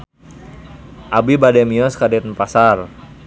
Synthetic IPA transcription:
ʔabibadɛmiɔskadɛt̪̚npasar

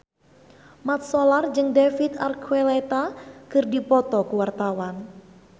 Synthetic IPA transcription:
mat̪̚sɔlard͡ʒɨŋdefit̪a̰rkʰuelɛt̪akɨrdipɔt̪ɔkuwart̪awan

